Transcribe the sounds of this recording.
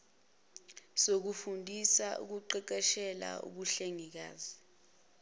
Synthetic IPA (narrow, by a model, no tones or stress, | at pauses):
sok̬ufundʱisaʔṵk̬uǃɛǃɛʃɛla̰ṵɓuɬeŋik̬a̰ːzi